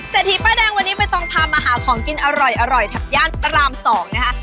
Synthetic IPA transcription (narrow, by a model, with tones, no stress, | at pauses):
seː˨˩t̪ʰːiː˨˩pɾa˧˩dɛː˧ŋwa˧nːiː˦˥ma˧jt̪ɔ˧ŋpʰaː˧maː˧ɦaː˩˦kʰɔː˩˦ŋki˧nʔa˧ɾɔ˨˩jʔa˧ɾɔ˨˩jt̪ʰa˨˩k̚jaː˥˩npa˧ɾaː˧msɔː˩˦ŋna˦˥kʰa˦˥